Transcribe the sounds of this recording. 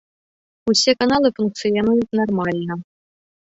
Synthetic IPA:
usʲekanɑlˠɨfunk̪̚sɨjenɨtnormɑlʲnɤ

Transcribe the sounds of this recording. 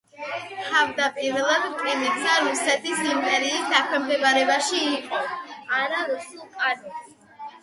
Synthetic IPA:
t̪ʰavd̪apʼiɾɛlˠad̪t̪ʼɾinɛt̪saɾusɛt̪ʰisimpʼɛɾiːsd̪akʰwɛmd̪ɛbaɾɛbaʃiːqʼɔaɾaɾusulˠqʼani

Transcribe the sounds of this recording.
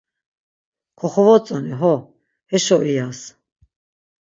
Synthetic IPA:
kʰɔχɔvɔt͡sʼɔniɦɔ | hɛʃɔʔijas

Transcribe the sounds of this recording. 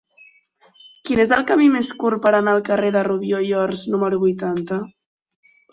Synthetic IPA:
kinezəlˠkəmimeskuɾpəɾənaːlˠkəreðəruβjojɔɾznuməɾuβujt̪ant̪ə

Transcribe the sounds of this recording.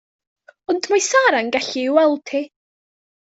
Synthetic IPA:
ɔndmajsaɾanɡɛɬiwɛlˠtʰi

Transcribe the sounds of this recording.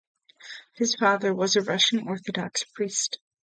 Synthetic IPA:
hɨz̥fɑðə˞wʌzɨɹʌʃn̩ɔɹθɨdɑkspʰɹ̥ist

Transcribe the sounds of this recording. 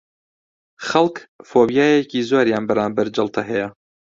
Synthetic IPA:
χɐlˠkfoːbjaːjeciːzoːɾjaːnbɐɾaːmbɐɾd͡ʒɐlˠt̪ʰɐɦɛjɐ

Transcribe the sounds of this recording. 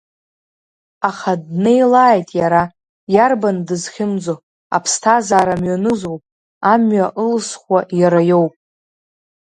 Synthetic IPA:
aχadne̞jlaːjtʼjaɾa | jarbandɨzχʲɪmd͡zo | a̰pʰstʰazaːɾamɥanɨzowpʼ | amɥaʔɨlsχʷajaɾajo̞wpʼ

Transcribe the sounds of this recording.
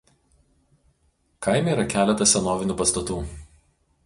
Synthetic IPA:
kɐɪmʲɛiːɾɐkʲæːlʲɛt̪ɐsʲɛnoːʋʲɪnʲuːpɐst̪ɐt̪uː

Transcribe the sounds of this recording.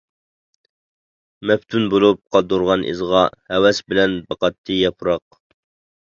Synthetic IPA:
mɛpt̪ʰunbolˠup̚qʰɑd̪uɾʁɑnʔḭzʁɑhɛwɛsbɪlɛnbɑqɑt̪ʰːɨjɑpʰuɾɑq̚

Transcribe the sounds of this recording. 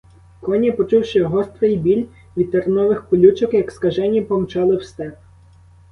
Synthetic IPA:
kɔnʲipɔt͡ʃuwʃɪɦɔst̪ɾɪjbʲilʲ | ʋʲid̪̚t̪eɾenɔʋɪxpɔlʲut͡ʃɔkjɐkskɐʒɛnʲipɔmt͡ʃɑlˠɪwst̪ɛp̚

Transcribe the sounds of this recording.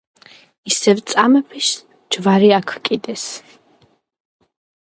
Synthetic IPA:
isɛvt̪sʼamɛpʰis | d͡ʒvaɾiakʰwkʼid̪ɛs

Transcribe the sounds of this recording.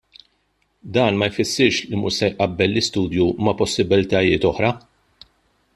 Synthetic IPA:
d̪ɐːnmɐjfɪsːɪɾʃlimʊʃsɛjʔɐbːɛlːɪst̪uːd̪jumɐpɔsːɪbɪlt̪ɐjɪːt̪ɔħɾɐ

